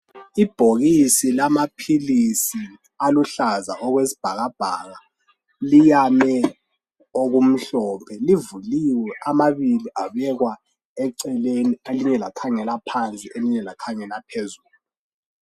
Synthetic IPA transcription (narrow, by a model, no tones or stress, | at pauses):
ib̥ʱoɣisilamapʰilisi | aluɬaza̰ʔɔɣwesi̥b̥ʱaɣab̥ʱaɣa | lijamɛ | oɣum̩ɬɔpʰɛlivuliwɛʔamaβiliʔaβɛɣwa | ɛǀɛlenieliɲɛlakʰaŋɛlapʰant͡sʼieliɲɛlakʰaŋɛlapʰezuːluu